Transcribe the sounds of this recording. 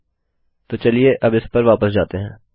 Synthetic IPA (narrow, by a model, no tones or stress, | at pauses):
t̪oːt͡ʃɐlieʔɐbɪspɐɾʋaːpəsd͡ʒaːt̪eɦɛ̃ː